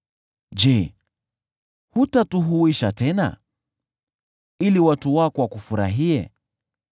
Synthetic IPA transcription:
d͡ʒɛ | hutatuɦuiʃatɛna̰ | iliwatuwakɔwakufuɾa̰ɦiɛ̰

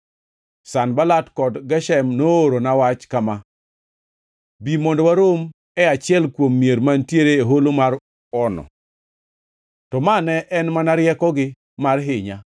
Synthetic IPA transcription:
sanbalatkɔdɡɛʃɛmnooɾonawat͡ʃkama | bimondowaɾom | ɛat͡ʃɪɛlkwomːieɾmantjeɾeeɦolomaɾ | ɔnɔ̰ | tɔmanɛʔɛnmanaɾjɛkɔɡɪ | marɦɪɲa

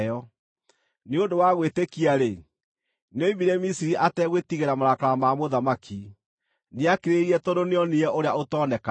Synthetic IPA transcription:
jɔ | neodowaɣwetekiaɾe | noibiɾɛmisiɾiʔatɛɣwetiɣeɾamaɾakaɾamamoðamaki | neakeɾeɾiɛtɔdoneɔneɛoɾeaotɔːnɛka

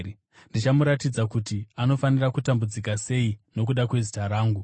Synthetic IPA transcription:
ndit͡ʃamuɾatid͡zakutiano̞fanirakutambud͡zikase̞ino̞k̬uɗakwe̞zitaɾaːŋɡu

